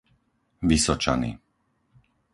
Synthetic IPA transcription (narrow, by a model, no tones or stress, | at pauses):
ʋisɔt͡ʃa̰nḭ